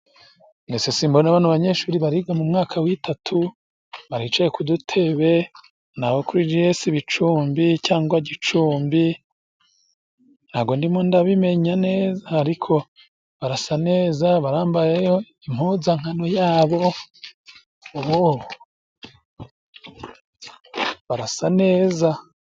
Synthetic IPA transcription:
nesesiːmbonaβaːnuβaɲe̞ʃuːɾiβaɾiɡamumŋaːkʰawitʰatʰu | βaɾit͡ʃajekudutʰe̞βe̞ | naβokuɾid͡ʒijesiβit͡ʃuːmbicaːŋɡwaɟit͡ʃuːmbi | n̥haːɡo̞ndimondaβime̞ɲane̞ːzaːɾikʰo̞ | βaɾasane̞ːzaβaɾaːmbajejo̞ | imhuzaŋ̥hanojaːβo̞ | oβo | βaɾasane̞ːza

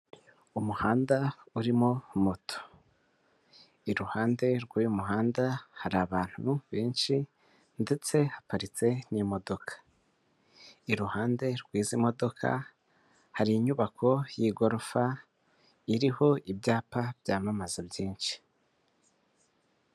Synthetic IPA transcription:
umuhaːndauɾimo̞mutʰo̥ | iɾuhaːnde̞ɾɡwaːjumuɦaːndahaɾaβaːn̥huβe̞ːnʃi | nde̞t͡se̞hapaɾit͡se̞nimo̞do̞kʰḁ | iɾuhaːnde̞ɾɡwiːzimo̞do̞kʰa̰ | haɾiːɲuβakʰo̞jiɡo̞ɾofa | iɾiho̞ʔibjaːpabjaːmamazabjiːnʃi̥

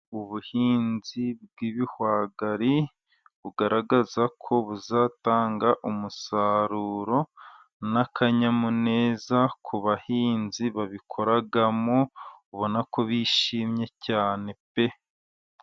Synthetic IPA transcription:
uβuhiːnzibɡiβihwaːɡaɾi | βuɡaɾaɡazakʰo̞βuzaːtaːŋɡaʔumusaɾuːɾo̞ | nakʰaɲamune̞ːzakʰuβahiːnziβaβikʰo̞ɾaɡamouβo̞nako̞βiːʃiːmɲe̞caːne̞pe

